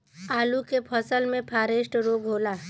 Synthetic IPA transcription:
aːlukepʰəsəlmẽpʰaːɾeːʃʈɾoːɡɦoːlaː

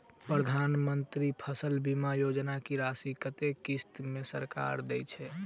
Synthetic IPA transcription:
pɾəd̪ʱanmənt̪ɾipʰəsəlbimajod͡ʒnakiɾasikət̪ekist̪mesəɾka̰ɾd̪ɛjt͡ʃʰɛ

